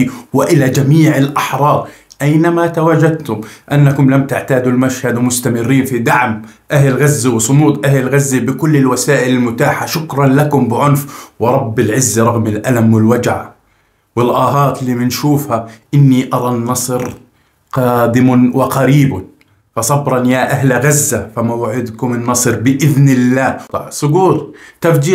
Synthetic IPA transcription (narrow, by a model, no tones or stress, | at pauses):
wɪʔɪlad͡ʒamiːʕɪlʔaħɾˤɑːʔajnamat̪awaːd͡ʒad̪̚t̪ʊmʔanːakʊmlamt̪aʕt̪aːd̪ulmaʃhad̪mʊst̪amɪrːiːnfid̪aʕm | ʔahlɪlɣazːiwɪsˤʊnuːt̪ˤʔahlɪlɣazːibɪkʊlːɪlwasaːʔɪlɪlmʊt̪aːħaʃʊkɾˤɑnlakʊmbɪʕʊnfwɪɾˤɑbːɪlʕɪzːɾˤɑɣmɪlʔalamwɪlwad͡ʒʕa | wɪlʔɑːɦɑːt̪liːmɪnʃuːfhaʔɪnːiʔɑɾˤɑnːɑsˤɾ | qɑːd̪ɪmʊwɪqaɾiːb | fɑsˤɑbɾˤɑnjaʔaɦlɣazːafamawaʕɪd̪kʊmɪnːɑsˤɾbɪʔɪðnɪlːaːsˤʊɡuːɾt̪afd͡ʒiː